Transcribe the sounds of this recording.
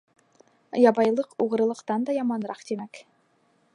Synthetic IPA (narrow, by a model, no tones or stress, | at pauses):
jɑbɑjlˠɤquʁɤ̆ɾɤ̆lˠɤ̆qt̪ɑnd̪ɑjɑmɑnɾɑqt̪imæk